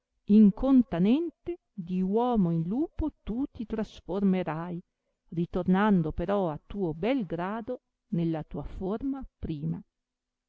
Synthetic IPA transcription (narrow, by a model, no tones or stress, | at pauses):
iŋkʰont̪anɛnt̪e | d̪iwɔːmoinluːpot̪ut̪it̪ɾasformeɾaj | rit̪ornand̪opeɾɔat̪ːuːobɛlɡɾaːd̪o | nelːat̪uːaformapɾiːma